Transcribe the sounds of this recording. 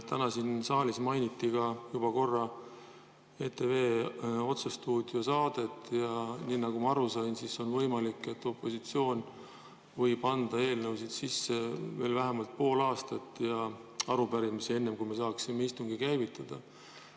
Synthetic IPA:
t̪ænɑsinsɑːlismɑjnʲit̪ːiɡɑjubɑko̞rːɑ | e̞t̪e̞ve̞ːo̞t̪sust̪uːd̪̥josɑːd̪̥e̞t̪ːjɑniːnɑɡumɑɑɾusɑjnsiso̞nvɤjmɑlikːˑe̞t̪ːˑo̞pːˑo̞sit̪sio̞ːn | vɤjb̥ɑnd̪̥ɑe̞ːlnɤwsid̪̥sisːe̞ve̞ːlvæɦemɑlt̪̚po̞ːlɑːst̪ɑt̪ːˑjɑɑɾubæɾimisie̞nːe̞mkujme̞s̬ɑːksimːe̞ist̪uŋɡ̥ikæjvit̪ːˑɑd̪̥ɑ

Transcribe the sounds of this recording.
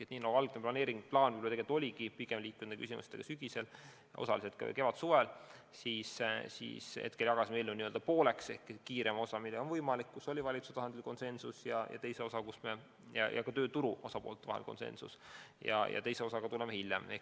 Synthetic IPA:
et̪niːnɑɡ̥uɑlɡ̥neplɑne̞ːɾiŋɡ̥plɑːnvylt̪eet̪ˑolʲiɡipiɡ̥emliːkːund̪eky̰s̬ʲimʔṵset̪eɡ̥ɑsyɡ̥ise̞l | o̞̰sɑliset̪kɑ̰ke̞vɑt̪suvel | siːssḭːsḛt̪̚ke̞lʲjɑɡ̥ɑsimejlːuniøld̪ɑpo̞ːle̞ksehkkiːɾemo̞sɑmilːeonvɤjmɑlikːuso̞lʲivɑlit̪suset̪ɑhɑnd̪̥ʲilko̞nsensusjɑjɑ̰t̪e̞jse̞o̞sɑkusme | jɑ̰jɑ̰kɑt̪øːt̪uɾuo̞sɑpoːlt̪ːˑevɑ̰helko̞̰nse̞̰nsṵsjɑ̰jɑ̰t̪e̞jse̞o̞sɑɡ̥ɑt̪ulemehiljḛmḛ

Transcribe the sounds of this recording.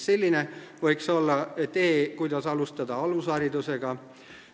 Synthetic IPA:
se̞lʲːineʋɤ̞jkso̞lːɑt̪eːkujd̪̥ɑsɑlust̪ɑd̪ɑɑlusɑːɾid̪useɡ̥ɑ

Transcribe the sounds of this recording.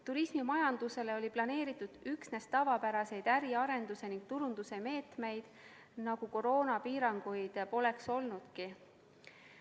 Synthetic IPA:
t̪uɾismimɑjɑnd̪̥use̞le̞o̞lʲiplɑne̞ːɾit̪ːˑud̪̥yksne̞st̪ɑvɑpæɾɑse̞jd̪æɾiɑɾe̞nd̪̥use̞niŋɡ̥̚t̪uɾund̪̥use̞me̞ːt̪me̞jd̪̥ | nɑɡ̥uko̞ɾo̞ːnɑpiːɾɑŋɡ̥ujd̪̥po̞le̞kso̞lnud̪̥ki

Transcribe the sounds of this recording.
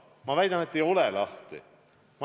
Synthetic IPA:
mɑvæjd̪̥ɑne̞t̪ːejo̞lelɑht̪ḭ | mɑ

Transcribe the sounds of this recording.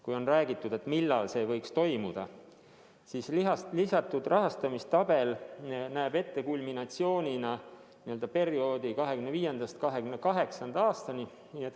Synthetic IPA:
kujo̞nræːɡit̪ːˑud̪̥e̞t̪milːɑlse̞ːvɤ̞jkst̪o̞jmud̪̥ɑ̰ | sisliɦɑlisɑt̪ːˑud̪̥rʔɑɦɑst̪ɑmist̪ɑbe̞lnæːb̥e̞t̪ːe̞kulʲminɑt̪sio̞ːnʲinɑ | niø̞ld̪̥ɑpe̞ɾio̞ːd̪̥ikɑɦe̞kyneviːje̞nd̪ɑst̪kɑɦe̞kymnːekɑɦe̞ksɑnd̪̥ɑɑːst̪ɑni | niet̪ː

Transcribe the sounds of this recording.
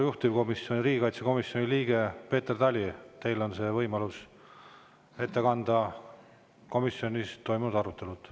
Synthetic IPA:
juht̪ivko̞misjo̞niɾiːɡ̥ikɑjt̪se̞ko̞misjo̞nʲiliːɡe̞pe̞ːt̪erd̪ɑlʲit̪e̞jlo̞nse̞ːvɤjmɑlus | e̞t̪ːe̞kɑnd̪ɑ | ko̞misjo̞nʲist̪o̞jmund̪ɑɾut̪ːˑe̞lut̪

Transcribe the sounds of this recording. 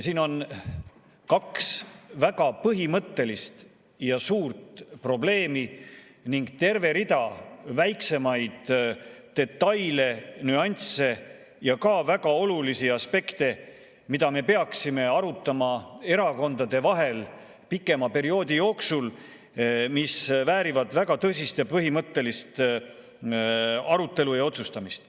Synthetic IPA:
siːno̞n | kɑksvæɡ̥ɑpɤɦimɤt̪ːe̞list̪ | jɑsuːrt̪pro̞ble̞ːmi | niŋɡ̥t̪e̞rve̞ɾid̪ɑvæjkse̞mɑjd̪̥ː | e̞t̪ːɑjle̞nyɑnʲt̪se̞ | jɑkɑvæɡ̥ɑo̞lulisiɑspe̞kt̪e̞ | mid̪̥ɑme̞pe̞ɑksime̞ɑɾut̪ːˑɑmɑe̞ɾɑko̞nd̪ɑd̪e̞vɑɦe̞l | pikːˑe̞mɑpe̞ɾio̞ːd̪ijo̞ːksul | misvæːɾivɑd̪̥væɡ̥ɑt̪ɤsist̪jɑpɤɦimɤt̪ːe̞list̪ | ɑɾut̪ːˑe̞lujɑo̞t̪sust̪ɑmist̪

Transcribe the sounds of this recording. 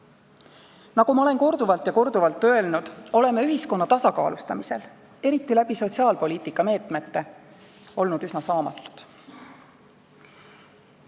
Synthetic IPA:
nɑkumɑole̞nko̞rd̪uvɑlt̪jɑko̞rd̪uvɑlt̪ːˑø̞e̞lnud̪̥o̞le̞meyɦisko̞nːɑt̪ɑsɑkɑ̰ːlust̪ɑmise̞̰l | e̞ɾit̪ːilæb̥iso̞t̪siɑːlpo̞liːt̪ˑikːˑɑme̞ːt̪me̞t̪ːe̞ | o̞lnud̪ysnɑsɑːmɑ̰t̪ːˑu̥t̪ˑ

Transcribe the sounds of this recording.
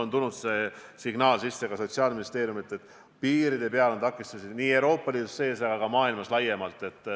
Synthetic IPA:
o̞nt̪ulnut̪se̞siɡ̥nɑːlsisːe̞ɡ̥ɑso̞t̪siɑːlminist̪eːɾjumit̪ːˑet̪ːˑ | piːɾid̪̥e̞pe̞ɑlo̞nt̪ɑkːˑist̪ɑsid̪niːe̞wɾo̞ːpːˑɑliːd̪usːe̞ːsɑɡ̥ɑɡ̥ɑmɑːilmɑslɑjːe̞mɑlt̪ːˑe̞t̪ːˑ

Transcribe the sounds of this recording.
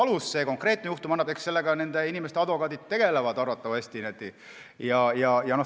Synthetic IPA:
ɑlusːe̞ːko̞ŋkre̞ːt̪̚nejuht̪umɑnːɑbekse̞lːeɡɑne̞nd̪̥einʲimest̪eɑd̪̥ʋo̞kɑːd̪it̪t̪ːe̞ɡ̥e̞levɑd̪ɑrvɑt̪ːˑɑvɑsʲt̪inet̪ːˑi | jɑjɑjɑno̞

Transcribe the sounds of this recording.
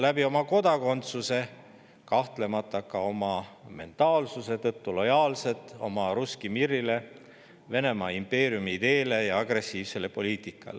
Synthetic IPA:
læbio̞mɑko̞d̪ɑko̞nt̪suse̞ | kɑht̪le̞mɑt̪ˑːɑkɑo̞mɑme̞̰nt̪ˑɑːlsuse̞t̪ɤt̪ːulo̞jɑːlse̞t̪ˑːo̞̰mɑɾuskimiɾːile̞ | ve̞ne̞mɑːimpe̞ːɾijumiid̪̥e̞ːle̞jɑɑɡ̥re̞sːiːvse̞lepo̞liːt̪ˑikːˑɑ̰le

